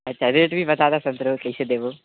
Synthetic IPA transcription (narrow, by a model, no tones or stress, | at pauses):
ɐtːɕʰad̪eʈbʱibɐt̪ad̪asɐnt̪ɾokɐised̪eːʋo